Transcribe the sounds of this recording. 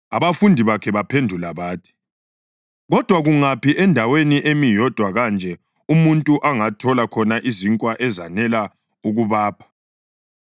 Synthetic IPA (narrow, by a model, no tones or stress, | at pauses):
aβafundʱiβakʰɛβapʰendʱulaβaːtʰi̥ | ɣɔd̥ʱwaɣuŋapiʔɛndʱaweniʔemijɔd̥ʱwaɣand͡ʒʱɛ | umuntʼuʔaŋatʰɔlakʰɔnaʔiziŋkʼwaʔɛzanɛla | uɣuβaːpʰḁ